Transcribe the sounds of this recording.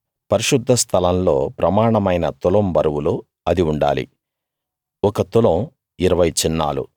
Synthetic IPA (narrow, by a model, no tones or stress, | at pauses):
pɐɾiʃud̪ʱːɐst̪ʰɐlɐmlo̞̰ːpɾɐmaːɳɐmɐjnɐt̪ulɐmbɐɾɐwulu | ɐd̪iuɳɖa̰ːlḭ | ɔkɐt̪ulɐm | iɾɐʋɐjt͡ʃinːa̰ːlṵ